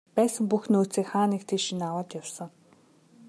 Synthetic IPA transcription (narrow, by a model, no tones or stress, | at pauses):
pæːsə̆ŋpuxnoːt͡siːkχaːniːkt̪ʰiːʃinawə̆ːt̪jʊwsə̆ŋ